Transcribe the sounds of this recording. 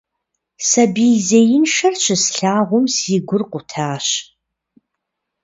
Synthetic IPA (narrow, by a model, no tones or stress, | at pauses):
sɐbiːzɐjɪnʂɐrt͡ʃʰɨsɬaːʁʷʊmsiːɡʷʊrqʷʊtʰaːɕ